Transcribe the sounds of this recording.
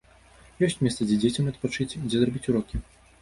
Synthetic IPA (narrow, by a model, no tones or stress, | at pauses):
jɔsʲt͡sʲmʲɛst̪sɐd͡zʲɛd͡zʲet͡sʲɐmɐt̪̚pat͡ʂɨt͡sʲd͡zʲɛzrɔbʲit͡sʲuɾɔkʲi